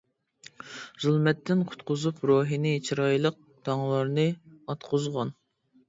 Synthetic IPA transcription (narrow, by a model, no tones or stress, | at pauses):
zulˠmɛt̪ːɪnqʰʊ̥t̪qʊzupɾoːɦinɪt͡ʃʰɾɑjlˠəq̚ | t̪ʰɑŋlˠɑɾnɨɑt̪qʰʊzʁɑn